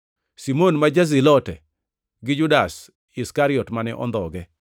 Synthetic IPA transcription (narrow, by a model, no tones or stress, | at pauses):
simonmad͡ʒazilɔtɛ̰ | ɡɪd͡ʒʊdas | ɪskaɾɪɔtmanɛʔɔ̰nd̪ɔɡɛ